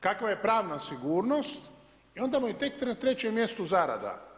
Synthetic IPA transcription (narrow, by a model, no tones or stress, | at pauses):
kakʋaje̞pɾaːʋnasiɡuːɾno̞st̪ | io̞nd̪amoit̪e̞kt̪ɾet̪ɾe̞t͡ɕemːje̞st̪ozaɾa̰d̪a̰